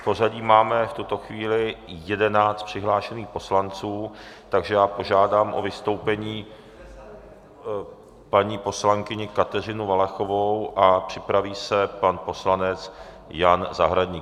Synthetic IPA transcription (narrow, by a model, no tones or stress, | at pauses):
po̞zaɟiːmaːmɛft̪ut̪o̞xviːlɪjɛdɛnaːt͡st̪pr̝̥ɪɦlaːʃɛniːxpo̞slant͡suːt̪aɡʒɛjaːpo̞ʒaːdaːmʔo̰vɪst̪o̞wpɛɲiː | paɲiːpo̞slaŋkɪɲɪkat̪ɛr̝ɪnʊvalɛxo̞vo̞wʔapr̝̥ɪpɾaviːsɛpanpo̞slanɛt͡s | janzaɦɾadɲiː